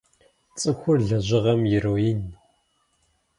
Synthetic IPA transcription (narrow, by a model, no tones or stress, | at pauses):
t͡sʼɨxʷʊrɮɐʑɪʁɐmjɪɾoːin